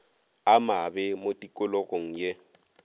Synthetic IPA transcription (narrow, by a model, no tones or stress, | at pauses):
amabɪmotʼikʼʊloɣoŋ̩je